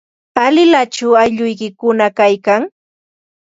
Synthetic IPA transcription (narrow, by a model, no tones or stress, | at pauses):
alɪlat͡ʃaajʎʊjkɪkʊnakajkaŋ